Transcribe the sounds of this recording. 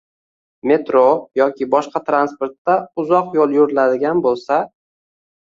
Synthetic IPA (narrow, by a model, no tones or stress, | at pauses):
me̞t̪ɾojɒkʲʰɪbɒʃqɑt̪ʰɾanspoɾt̪ːaʊzɒqjolˠjʊɾɪlad̪ɪɡʲanbolˠsa